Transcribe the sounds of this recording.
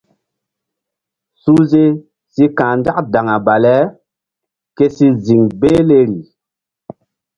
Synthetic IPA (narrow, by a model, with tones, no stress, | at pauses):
su˦ze˦ | si˦kã˨nda˦kda˨ŋa˨ba˨lɛ˦ | ke˦si˦zi˨ŋbeː˦le˦ɾi˨